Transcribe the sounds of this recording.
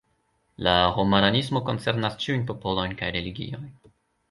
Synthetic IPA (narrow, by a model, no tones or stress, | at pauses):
lahomananismo̞ko̞nt͡se̞ɾnast͡ʃiujnpo̞po̞lo̞jnkajɾe̞liɡḭo̞jn